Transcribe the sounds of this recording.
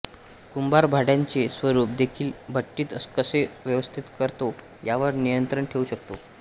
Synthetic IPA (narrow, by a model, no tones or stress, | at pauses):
kumbaɾbʱaɽjãɲt͡sesʋəɾuːp̚d̪ekʰiːlbʱəʈːiːt̪əskəseʋjəʋəst̪ʰit̪kəɾt̪o | jaʋəɾnijənt̪ɾəɳʈʰeuɕək̚t̪o